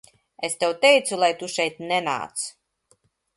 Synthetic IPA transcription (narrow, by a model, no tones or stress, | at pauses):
est̪ewt̪ɛjt̪sulˠajt̪uʃɛjt̪̚nɛna̰ːt̪s